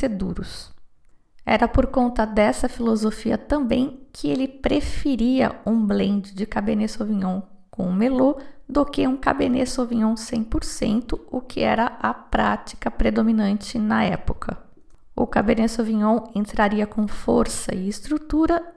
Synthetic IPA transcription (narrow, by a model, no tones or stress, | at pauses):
sed̪uɾʊs | ɛ̰ɾɐpoɾkõnt̪ɐd̪ɛsɐfilozofiɐ̰t̪ɐ̃mbẽj̃kʰɪelɪpɾefeɾiɐ̰ũblẽnd͡ʒʊd͡ʒɪkabenesovĩɲõw̃ | kõʊmelod̪okɪũka̰benesovĩɲõw̃sẽj̃poɾsḛ̃nt̪ʊʊkʰɪɛɾɐʔɐpɾat͡ʃi̥kɐpɾed̪ominɐ̃nt͡ʃɪnɐɛpokʰɐ | ʊ̰kabenesovĩɲõw̃ẽnt̪ɾaɾiɐkõfoɾsɐ̰ɪɪst̪ɾut̪uɾɐ